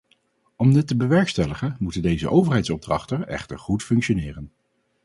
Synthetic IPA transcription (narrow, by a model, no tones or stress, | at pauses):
ɔmdɪtːəbəʋɛɹkstɛləχənmutəndejzə̰ʔowvərɦɛjtsɔb̚drɑ̰χtənɛ̰χtəɹχutfɵŋkʃonɪːrən